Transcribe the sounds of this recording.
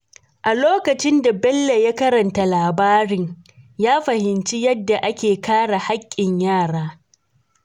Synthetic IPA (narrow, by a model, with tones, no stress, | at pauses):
ʔa˨loː˦kɐ˨t͡ʃɪ˦nda˨bɛ˦lːe˨ja˦kɐ˦ɾɐ˨nta˦laː˨baː˦ɽɪ˨ŋ | jaː˦ɸɐ˨hɪ˨nt͡ʃi˦jɐ˦dːa˨ʔa˦kʲeː˨kaː˦ɽa˨ha˦kʲʼːɪ˨ɲjaː˦˨ɽaː˦